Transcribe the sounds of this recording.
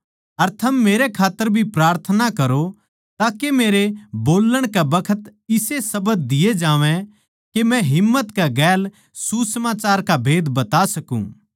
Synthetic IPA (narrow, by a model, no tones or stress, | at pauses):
ɐɾt̪ʰɐmːeːɾekʰaːt̪ːəɾbʱipɾaːɾt̪ʰənakɐɾo | t̪aːkemeːɾeboːlːəɽ̃kabɐkʰət̪ɪsesɐbəd̪̚d̪ɪjed͡ʒãːʋɛ̃ | kemɛ̃ɦɪmːət̪kaɡɛːl | susəmaːt͡ʃaːɾkabʱeːd̪bɐt̪asɐkṵ̃ː